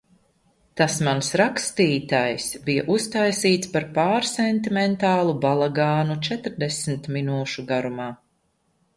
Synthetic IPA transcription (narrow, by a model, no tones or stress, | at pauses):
t̪asmansɾakst̪iːt̪ajsbija̰ʔust̪ajsiːt̪spaɾpaːɾsɛnt̪imɛnt̪aːlˠubalˠaɡaːnut͡ʃɛt̪ɾd̪ɛsmt̪minuːʃuɡaɾumaː